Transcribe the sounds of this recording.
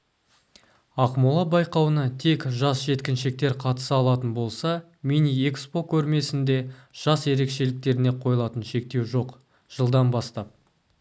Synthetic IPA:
ɑqmulˠɑbɑjqɑwənɑt̪ʰe̞kʒɑsʒe̞t̪kʲɪnʃe̞k̚t̪e̞ɾqʰɑt̪ə̥səɑlˠɑt̪ənbo̞lˠsɑ | mʲiniekspo̞kʲʰɵɾme̞sɪnd̪e̞ʒ̥ɑsje̞ɾe̞kʃe̞lɪk̚t̪e̞ɾɪne̞qʰo̞jəlˠɑt̪ənʃe̞k̚t̪e̞wʒo̞q | ʒ̥əlˠd̪ɑnbɑst̪ɑp̚

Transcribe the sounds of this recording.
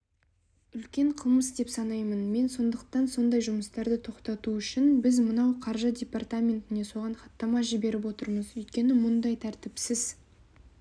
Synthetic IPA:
ʏlkʲe̞ɴqʰəlˠməsd̪e̞psɑnɑjmənme̞nso̞nd̪əqt̪ɑnso̞nd̪ɑjʒʊməst̪ɑɾd̪ət̪ʰo̞qt̪ɑt̪uʏʃɪnbɪzmənɑwqʰɑɾʒədʲe̞pɑrt̪amʲe̞nt̪ɪne̞so̞ʁɑɴχɑt̪ːɑmɑʒɪbe̞ɾɪp̬wo̞t̪əɾməzɵjt̪̚kʲe̞nɪmʊnd̪ɑjt̪ʰæɾt̪ɪpsɪz̥

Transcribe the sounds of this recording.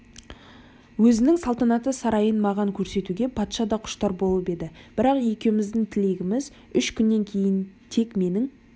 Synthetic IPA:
wɵzɪnɪŋsɑlˠt̪ɑnɑt̪əsɑɾɑjənmɑʁɑŋkʲʰɵɾse̞t̪uɡʲe̞pʰɑt̪ʃɑd̪ɑqʰʊ̥ʃt̪ɑɾbo̞lˠəpe̞d̪ɪb̥ɪɾɑqje̞kʲe̞wɪmɪzd̪ɪŋt̪ʰɪle̞ɡʲɪmɪz | ʏʃkʲʰʏnːe̞ŋkʲʰe̞jɪn | t̪ʰe̞kme̞nɪŋ

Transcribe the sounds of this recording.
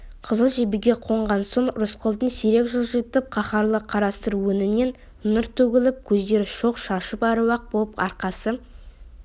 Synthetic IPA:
qʰəzəlˠʒebɪɡʲe̞qʰo̞ɴʁɑnsoɴɾʊsqəlˠd̪ənseɾe̞kʒəlˠʒet̪ɪp̚qʰɑχɑɾlˠəqʰɑɾɑst̪əɾwɵnɪne̞n | nəɾt̪ʰɵɡʲɪlɪp̚kʲʰɵzd̪e̞ɾɪʃo̞qʃɑʃəpɑɾəwɑq̚bolˠəpɑɾqɑsə

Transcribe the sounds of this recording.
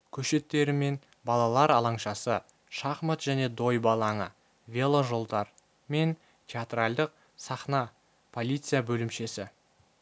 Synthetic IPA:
kʲʰɵʃe̞t̪ːe̞ɾɪme̞n | bɑlˠɑlˠɑɾɑlˠɑɴʃɑsə | ʃɑχmət̪ʒ̥æne̞d̪o̞jbɑlˠɑɴə̰ | vʲe̞lˠoʒo̞lˠd̪ɑɾ | me̞n | t̪ʲʰeat̪rald̪əq̚ | sɑχnɑ | pʰo̞lʲit̪sɨjabɵlɪmʃe̞sɪ

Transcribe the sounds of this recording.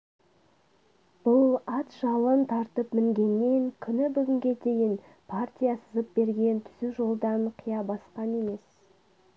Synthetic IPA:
b̥ʊlˠɑt̪ʒɑlˠənt̪ʰɑɾt̪əpmɪŋɡʲe̞nːe̞ŋkʲʰʏnɪbʏɡʲɪŋɡʲe̞d̪e̞jɪn | pʰart̪ʲijasəzəp̚b̥e̞ɾɡʲe̞nt̪ʰʏzuʒo̞lˠd̪ɑɴqʰijɑbɑsqɑne̞me̞s

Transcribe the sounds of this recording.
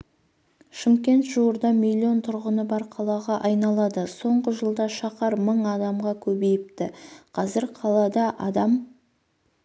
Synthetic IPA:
ʃɪmkʲe̞nt̪ʒ̥uwəɾd̪ɑmilʲːio̞nt̪ʰʊɾʁənəbɑɾqʰɑlˠɑʁɑʔɑjnɑlˠɑd̪əso̞ɴʁəʒəlˠd̪ɑʃɑqɑɾməɴɑd̪ɑmʁɑkʲʰɵbe̞jɪp̚t̪ɪqʰɑzɪɾqʰɑlˠɑd̪ɑʔɑd̪ɑm

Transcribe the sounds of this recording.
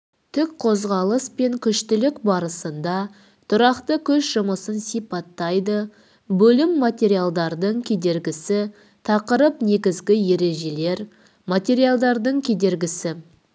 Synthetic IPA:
t̪ʰɪkqʰo̞zʁɑlˠəspe̞ŋkʲʰʏʃt̪ɪlɪkbɑɾəsənd̪ɑ | t̪ʰʊɾɑqt̪əkʲʰɵʃʒ̥ʊməsənsijpɑt̪ːɑjd̪ə | bɵlɪmːat̪ʲe̞ɾijalˠd̪ɑɾd̪əɴkʲʰe̞d̪e̞ɾɡʲɪsɪ | t̪ʰɑqəɾəpne̞ɡʲɪzɡʲɪje̞ɾe̞ʒe̞le̞ɾ | mat̪ʲe̞ɾijalˠd̪ɑɾd̪əɴkʲʰe̞d̪e̞ɾɡʲɪsɪ

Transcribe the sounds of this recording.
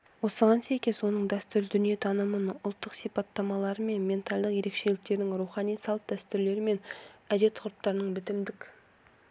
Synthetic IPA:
wo̞səʁɑnsæjkʲe̞zwo̞nəɴd̪æst̪ʏɾd̪ʏnije̞t̪ʰɑnəmənʊlˠt̪ːəqsijpɑt̪ːɑmɑlˠɑɾəme̞nme̞nt̪ɑlʲˠd̪əqje̞ɾe̞kʃe̞lɪk̚t̪e̞ɾd̪ɪŋɾuχɑnijsɑlˠt̪̚d̪æst̪ʏɾle̞ɾɪme̞næd̪e̞t̪qʰʊɾʊp̚t̪ɑɾənəɴbɪt̪ɪmd̪ɪkʲ

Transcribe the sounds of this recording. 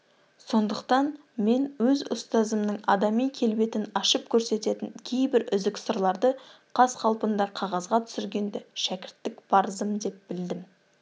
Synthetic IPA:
so̞nd̪əqt̪ɑn | me̞nwɵzʊ̰st̪ɑzəmnəɴɑd̪ɑmijkʲʰe̞lbe̞t̪ɪnɑʃəp̚kʲʰɵɾse̞t̪e̞t̪ɪŋkʲʰe̞jbɪɾʏzɪksəɾlˠɑɾd̪əqʰɑzqʰɑlˠpənd̪ɑqʰɑʁɑzʁɑt̪ʰʏ̥sɪɾɡʲe̞nd̪ɪʃækʲɪɾt̪ːɪkbʰɑɾzəmd̪e̞p̚b̥ɪld̪ɪm

